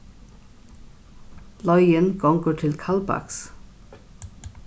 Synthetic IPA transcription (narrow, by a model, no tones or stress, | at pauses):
lɔʏənɡ̥ɔŋɡəʈʰɪlkʰɑlbɑ̰ks